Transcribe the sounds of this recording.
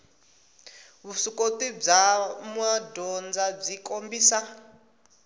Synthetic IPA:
βusukotib͡ʐamwadɔnd͡zab͡ʐikʼombiːsa

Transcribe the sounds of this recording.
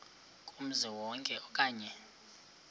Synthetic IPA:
kʼum̩zɛwɔŋkʼɛʔɔkʼaːɲɛ

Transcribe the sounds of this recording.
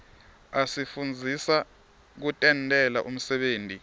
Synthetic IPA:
asifund͡zʱisa | k̬utʼɛntʼɛlaʔum̩sɛɓeːntʼi

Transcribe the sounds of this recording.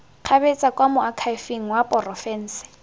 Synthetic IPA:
q͡χʰabet͡sʼakʼwamʊakʰaɪfiŋ̩wapʼɔrɔfɛːn̩ːsɪ̥

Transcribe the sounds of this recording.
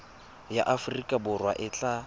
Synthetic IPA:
jaʔafʊrikʼabʊrwaʔɪt͡ɬʼa

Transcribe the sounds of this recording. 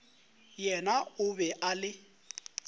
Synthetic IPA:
jɛnaʊbɛʔalɪ

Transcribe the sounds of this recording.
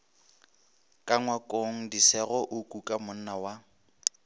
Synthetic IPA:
kʼaŋwakʼoŋ̩disɛɣɔʔʊkʼukʼamʊn̩nawa

